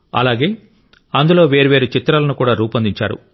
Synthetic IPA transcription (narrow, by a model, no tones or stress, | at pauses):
ɐ̰laːɡe̞ː | ɐnd̪ulo̞ːʋeːɾuʋeːɾut͡ʃit̪ːɾaːlɐnukuːɽaːɾuːpɐnd̪iɲt͡ʃa̰ːɾṵ